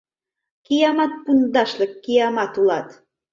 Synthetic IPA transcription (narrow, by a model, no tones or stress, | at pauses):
kijɑmɑt̪̚pund̪ɑʃlə̆kːijɑmɑt̪ulɑt̪